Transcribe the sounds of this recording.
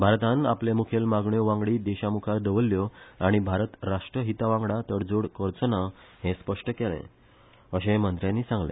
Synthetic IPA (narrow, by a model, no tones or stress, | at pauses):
bʱaɾt̪ãnaplemukʰelmaɡɳjɔʋãŋɡɽiːd̪eɕamukʰaɾd̪əʋəlːjɔaɽ̃ibʱaɾət̪ɾaʂʈɾəɦit̪aʋãŋɡɽat̪əɽd͡zoɽkəɾt͡səna | hẽspəʂʈəkelɛ̰̃ | əɕẽmənt̪ɾjãnːiːsãŋɡlḛ̃